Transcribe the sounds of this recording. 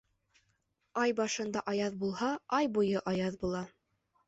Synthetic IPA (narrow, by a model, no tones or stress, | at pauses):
ɑjbɑʃɤ̆nd̪ɑʔɑjɑðbulˠhɑɑjbujɤʔɑjɑðbulˠɑ